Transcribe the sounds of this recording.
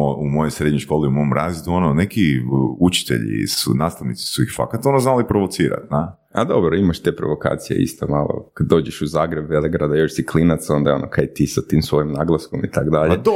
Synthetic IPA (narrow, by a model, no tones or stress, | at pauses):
oumojojsɾed̪ɲojʃko̞ːliumoomɾazid̪uononekiut͡ʃi̥t̪ḛʎḭsṵnaːst̪aʋnit̪si̥suixfa̰kat̪aonaznalipɾoʋot̪siːɾa̰t̪̚na | ad̪obɾoimaʃt̪eːpɾo̞̰ʋo̞ka̰ːt̪sijḛʔḭst̪amaːlˠo̰kad̪ːo̞ːd͡ʒeʃuzaːɡɾebʋelˠeɡɾad̪ajoʃsiklinat̪so̞nd̪ao̞nʔokʰajit̪iːsat̪iːmsʋo̞jimnaːɡlˠaskomit̪aɡd̪aʎe